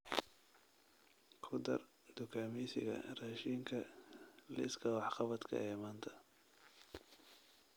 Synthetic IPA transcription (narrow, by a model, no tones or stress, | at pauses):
kʰʊd̪ɐ̰r | d̪̥ʊkʰaːmɛsɪ̰ɣɐ̰raːʃiːŋkʰɐlɪ̰skʰɐwɑħqɑβɐd̪kʰɐ̰ɛːmaːnt̪ʰɐ̥